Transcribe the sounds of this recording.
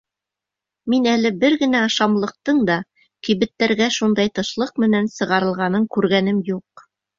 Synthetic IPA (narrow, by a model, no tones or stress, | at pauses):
minælɘbɘɾɡɘ̆næɑʃɑmlˠɤ̆q̚t̪ɤɴd̪ɑ | kĭβɘ̆t̪ːæɾɡæʃund̪ɑjt̪ɤ̆ʃlˠɤq̚mɘ̆nænsɤ̆ʁɑɾɤ̆lˠʁɑnɤŋkʉɾɡænɘmjuq